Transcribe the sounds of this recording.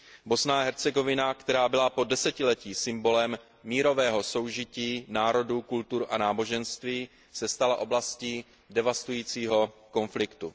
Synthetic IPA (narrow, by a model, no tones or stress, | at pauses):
bo̞snaːɦɛɾt͡sɛɡo̞vɪnakt̪ɛɾaːbɪlapo̞dɛsɛcɪlɛciːsɪmbo̞lɛmː | iːɾo̞vɛːɦo̞so̞wʒɪciːnaːɾo̞dukult̪uɾʔanaːbo̞ʒɛnst̪viː | sɛst̪alaʔo̞blasciː | dɛvast̪ujiːt͡siːɦo̞ko̞nflɪkt̪u